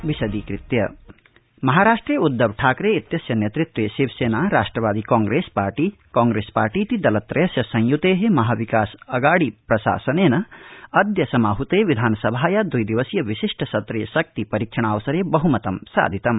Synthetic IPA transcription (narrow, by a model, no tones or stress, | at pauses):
ʋisɐd̪ikɾit̪jɐ̰ | mɐɦaːɾaːʂʈɾijud̪ːɐʋʈʰaːkɾeːit̪jɐsjɐnjet̪ɾit̪weːsibseːnaːɾaːʂʈɾɐʋaːd̪ikɔːŋɡɾeːspaːɾʈiːkɔːŋɡɾeːspaːɾʈiːt̪id̪ɐlɐt̪ɾɐjɐsjɐsɐ̃ŋjut̪eːɦemɐɦaʋikaːsɐɡaːɽipɾɐsa̰ːsɐneːnɐɐd̪jɐsɐmaɦut̪eːʋid̪ʱaːnɐsɐbʱaːjad̪ujd̪iʋɐsjɐʋisiʂʈʰɐsɐt̪ɾijɐsɐk̚t̪ipɐɾikʃʰɐɽ̃aːʋɐsɐɾeːbɐɦumɐt̪ɐmsa̰ːd̪ʱit̪ɐm